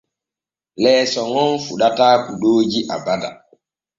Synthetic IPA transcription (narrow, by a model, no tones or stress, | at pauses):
lɛːsɔŋɔnfuɗataːbuɗoːd͡ʒiʔa̰bada̰